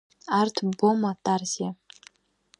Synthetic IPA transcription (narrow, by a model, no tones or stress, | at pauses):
artʰbomatʰʼarzia